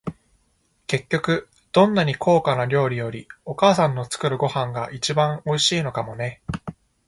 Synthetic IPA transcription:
ke̞kʲːo̞kɯ̟ | d̪̥õ̞nːaɲ̟ikʰo̞ːkanaɾʲo̞ːɾʲijo̞ɾʲio̞kaːsãnːo̞t͡sɨ̥kɯ̟ɾɯ̟ɡo̞hãŋɡaʔit͡ɕibãŋ̃o̞iɕiːno̞kamo̞ne̞

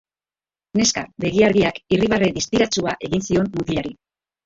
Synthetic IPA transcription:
ne̞ska̰βe̞ɣ̞iaɾɣiakiriβ̞areðist̪iɾat͡suaʔe̞ɣinsio̞nːut̪iʎaɾi

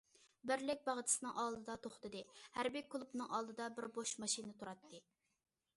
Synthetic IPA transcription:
bɪɾlɪk̚ʲbɑʁt̪ʰɨ̥sɨnɨŋʔɑlˠd̪ɨd̪ɑt̪ʰoχt̪ɨd̪ɨhæɾbikʰulˠupnɨŋʔɑlˠd̪ɨd̪ɑbɪɾboʃmɑʃinɨt̪ʰuɾɑt̪ʰːɨ

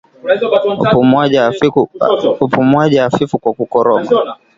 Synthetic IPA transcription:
pumaʄa | upumwaʄaːfifukwakukɔɾɔma

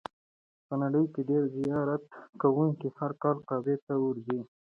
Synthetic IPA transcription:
pənaɽəjkeɖeɾzijɑɾat̪kawuŋkihaɾkɑlk̪ɑbet̪awuɾzi

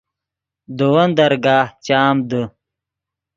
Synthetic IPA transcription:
d̪owɐnd̪ɐɾɡaːht͡ɕaːmd̪ə

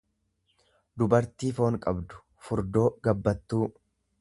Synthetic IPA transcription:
d̪ʊbɐɾt̪iːfo̞ːŋkʼɐbd̪ʊ̥ | fʊɾd̪o̞ːɡɐbːɐt̪ːuː

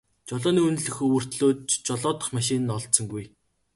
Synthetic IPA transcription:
t͡ɕɔɮɔːniːɵnt̪̆ɮɵ̆xɵwɵ̆r̥t̪ɮoːt̪t͡ɕt͡ɕɔɮɔːt̪ə̆χmaʃɪ̆n̆nɔɮt̪sɞ̆ŋɡuj

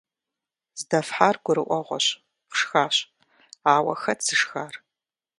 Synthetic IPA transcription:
z̥dɐfħaːrɡʷʊɾɨʔʷɔʁʷɔɕ | qʂxaːɕʼ | aːwɐ̰xɐt͡sɨʂxaːr

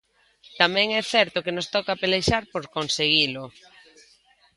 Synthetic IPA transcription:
t̪amɛ̃ŋɛθɛɾt̪okenost̪ɔkapelejʃaɾpoɾkonseɣ̞ilo

